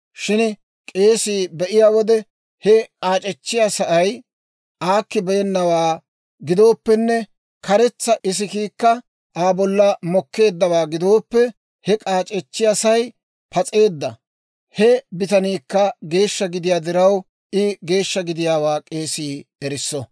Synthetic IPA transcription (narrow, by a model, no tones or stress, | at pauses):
ʃɪn | kʼe̞ːsiːbɛʔɪjaːwɔd̪ɛ | hɛkʼaːt͡ʃʼɛt͡ʃːɪjasɐʔɐj | ʔaːkːɪbɛjɛnːɐwaː | ɡɪd̪o̞ːpːɛnːɛ | kɐɾɛt͡sːɐʔɪs̬ɪkiːkːɐ | aːbɔlːɐmɔkːe̞ːd̪ːɐwaːɡɪd̪o̞ːpːɛ | hɛkʼaːt͡ʃʼɛt͡ʃːɪjasɐj | pɐt͡sʼe̞ːd̪ːɐ | hɛbɪt̪ɐniːkːɐɡe̞ːʃːɐɡɪd̪ɪjaːd̪ɪɾɐw | ʔɪɡe̞ːʃːɐɡɪd̪ɪjaːwaːkʼeːsiːɛɾɪsːɔ